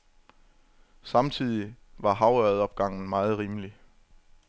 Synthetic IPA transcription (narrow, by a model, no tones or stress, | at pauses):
sɑ̈mt͡sʰið̞̰ˠiʋɑ̈ɦɑ̈ʊœðˠɒ̽b̥ɡ̥ɑ̈ŋ̰n̩mɑ̈ːð̞̩ˠʁiːməli